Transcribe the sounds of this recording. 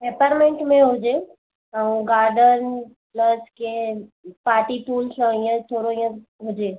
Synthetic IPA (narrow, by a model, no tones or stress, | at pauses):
peːpəɾmẽɳʈmẽɦod͡ʒeː | əũɡaːɾɖən | pləskepaːʈiʈuːlsə̃ijə̃t̪ʰoːɾoijə̃ | ɦod͡ʒeː